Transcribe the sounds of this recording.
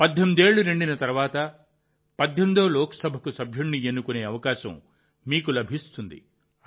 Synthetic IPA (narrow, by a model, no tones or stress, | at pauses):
pɐd̪ʱːomd̪e̞ːɭːuɾeɳɖinɐt̪ɐɾuʋaːt̪ɐ | pɐd̪ʱːond̪oːlɔːkɐ̥sɐbʱɐkusɐbʱjuɳːienːukune̞ːɐʋɐkaːʃɐ̰̃m | miːkulɐbʱist̪und̪ḭ